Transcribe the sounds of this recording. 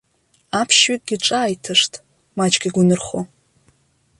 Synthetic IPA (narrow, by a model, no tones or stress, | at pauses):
apʰʃɥit̚ʼɡʲiʈ͡ʂʼaːjtʰɨʂtʼ | mat͡ʃʼɡʲiɡʷʊnɨrχo